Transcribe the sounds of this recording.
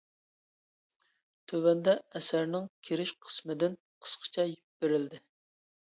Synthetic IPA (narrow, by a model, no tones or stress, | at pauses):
t̪ʰøvɛnd̪ɛɛsæɾnɪŋkʲʰeɾɪʃqʰə̥smɪd̪ɪn | qʰə̥sqʰə̥t͡ʃʰɛjip̚bɪɾɪld̪ɪ